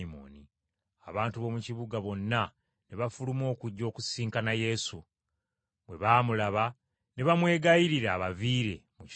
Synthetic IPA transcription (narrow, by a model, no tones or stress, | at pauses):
mo̰ːni | aβaːntuβo̞muciβuɡaβo̞nːa | neβafulumo̞ːkuɟːo̞ːkusiːŋkanaje̞su | βwe̞βaːmulaβa | ne̞βamwe̞ːɡajiɾiɾaːβaviːɾe̞̰muc